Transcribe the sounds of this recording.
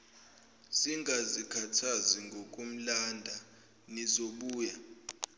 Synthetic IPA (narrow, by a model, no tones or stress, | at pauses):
siŋɡʱazikʰatʰaziŋɡʱok̬ʼum̩landʱa | nizoɓuːja